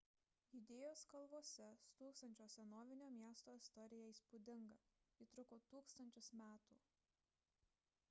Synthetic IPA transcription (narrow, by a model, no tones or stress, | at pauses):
jʊd̪ʲeːjoːskɐlˠʋoːsʲɛsʊt̪uːkst̪ɐnʲt͡ʃʲoːsʲɛnoːʋʲɪnʲoːmʲiɛst̪oːɪst̪ɔɾʲɪjɛiːˑspud̪ʲɪŋɡɐiːt̪ɾʊkoːt̪uːkst̪ɐnʲt͡ʃʲʊsmʲæːt̪uː